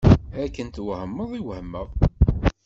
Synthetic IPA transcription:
ækːənt̪wəhəmːəðˤiwhəmːəðˤ

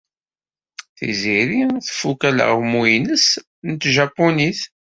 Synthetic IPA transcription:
θḭziɾiθfukælə̰ʁmujnəs | nt̪ʒapːuniθ

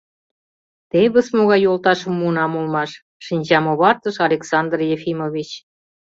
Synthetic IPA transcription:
t̪eβə̆smoɣɑjolt̪ɑʃə̆mːunɑmolmɑʃː | inʲd͡ʑɑmoβɑrt̪əʃɑlʲeksɑnd̪rjefimoβʲit͡ɕ

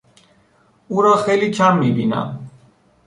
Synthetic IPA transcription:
uɾaχɛlit͡ʃʰamːibḭna̰

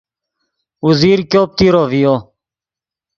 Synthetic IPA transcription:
uziːɾkjoːp̚t̪iːɾoːvijoː

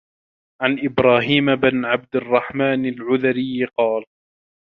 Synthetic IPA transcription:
ʕanʔɪbɾˤaːɦiːmabɪnʕab̚d̪ɪrˤːɑħmaːnalʕʊðaɾɪjːqɑːl

